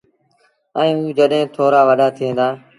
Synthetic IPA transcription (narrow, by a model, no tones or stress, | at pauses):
ə̃ːũːd͡ʒəɗɦẽːt̪ʰoːɾaːʋəɗaːt̪ʰiẽːnd̪aː